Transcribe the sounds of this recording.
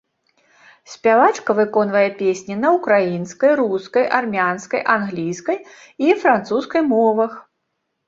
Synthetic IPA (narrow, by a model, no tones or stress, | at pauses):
sʲpʲavat͡ʂkɐvɨkɔnvɐjɛpʲesʲnʲinɐukɾajinskɐjɾuskɐjʔarmʲanskɐjʔanɣlʲijskɐj | ifɾant̪suskɐjmɔvɐx